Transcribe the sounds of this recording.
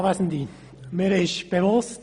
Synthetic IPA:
ʋasn̩diː | miɾɪʃb̥evʊst

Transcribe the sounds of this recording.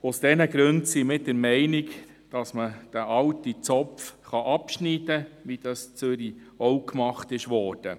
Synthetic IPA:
ʊsd̥ɛnəɡɾʉntsimɪt̚d̥əɾmɛɪnɪk | d̥ɑsməd̥æʔɑltit͡sɔpfχɑʔɑpʃniːd̥əʋid̥ɑst͡søɾi | ɔwkmɑχtɪʃʋɔːɾd̥ə

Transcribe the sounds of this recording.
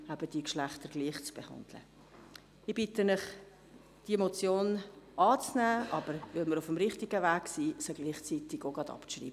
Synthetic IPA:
æb̥əd̥iːkʃlæχt̪əɾɡliːχt͡sb̥ehɑ̰nd̪̥lə̰ | ɪb̥ɪt̪ənɪχ | d̥imot͡sjoːnʔɑːt͡snæːʔɑbəɾvɪlməɾʊfəmɾɪχtiɡəvæːksiːsəɡ̥liːχt͡sit̪ɪɡ̥oɡ̥ɑd̪ɑ̰prḭːbə

